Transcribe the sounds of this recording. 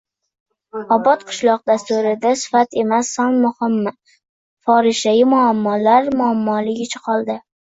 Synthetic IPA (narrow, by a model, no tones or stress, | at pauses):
ɒbɒt̪qʰɨ̥ʃlˠɒq̚d̪ast̪uɾɪd̪asɪ̥fat̪ʰe̞masːɒŋmʊhɪmːɪ | fɒɾɪʃajɪmʊamːɒlaɾmʊamːɒlɪɡʲɪt͡ʃʰɪ̥qʰɒlˠd̪ɪ